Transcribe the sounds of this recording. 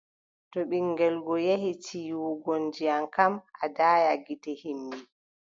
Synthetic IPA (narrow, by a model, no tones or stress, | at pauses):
tɔɓiŋɡɛlɡɔjehit͡ʃʰijuɡɔnd͡ʒijaŋkamadaːjaɡitɛhimbi